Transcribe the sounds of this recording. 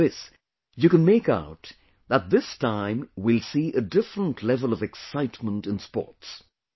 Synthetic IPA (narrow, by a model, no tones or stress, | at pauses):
ɪs | jɨkɨ̃nmeɪkaʊt̪ | ðət̪̚ðɪstʰãɪ̃mwɪlˠsiʔɨdɪfɹə̃ntʰlɛvəlˠʌvɨksaɪtmə̃ntɨ̃nspɔ̰ɹts